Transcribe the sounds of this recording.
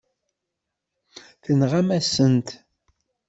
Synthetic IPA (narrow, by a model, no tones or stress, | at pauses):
θənʁamæsənt̪